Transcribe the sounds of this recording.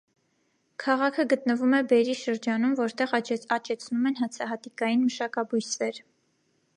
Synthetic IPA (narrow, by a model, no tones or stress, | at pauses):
kʰɑʁɑkʰəɡət̪nəvumɛbɛɾiʃəɾd͡ʒɑnumvɔɾt̪ɛʁɑt͡ʃɛt͡sʰnumɛnɦɑt͡sʰɑɦɑt̪ikɑjinməʃɑkɑbujsvɛɾ